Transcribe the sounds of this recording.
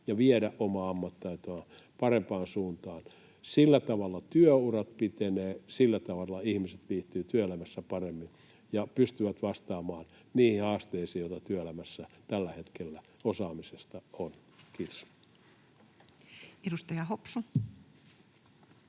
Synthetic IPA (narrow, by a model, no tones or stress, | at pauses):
jɑʋieɾæʔʔomɑːɑmːɑt̪ːɑit̪oɑ | pɑrempɑːnsuːnt̪ɑːn | silːæt̪ɑʋɑlːˑɑt̪yøurɑt̪̚pit̪eneːsilːæt̪ɑʋɑlːɑihmiset̪ʋiːt̪ːˑyːt̪yøelæmæsːæpɑremːin | jɑpyst̪yʋæt̪ʋɑst̪ɑːmɑːn | niːhihɑːst̪eisiːjot̪ɑt̪yøelæmæsːæt̪ælːæhet̪kelːæ | osɑːmisest̪ɑon | kiːt̪o̥s | edust̪ɑjɑhopsu